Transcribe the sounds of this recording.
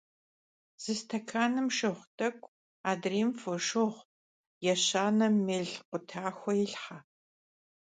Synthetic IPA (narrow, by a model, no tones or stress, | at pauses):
z̥ɨstʰɐkʰaːnɨmʃɨχʷtʼɐkʷʼ | aːdriːmfoʃɨʁʷ | jɛɕaːnɐmeːɮqʷʊtʰaːxʷɔjɪɬħa